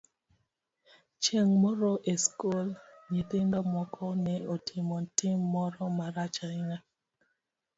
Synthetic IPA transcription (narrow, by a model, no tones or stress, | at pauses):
t͡ʃeŋmɔɾɔʔeskolɲet̪ɪndamwɔkʰɔnɛotʰɪmɔntɪmːɔɾɔmaɾat͡ʃaɪŋa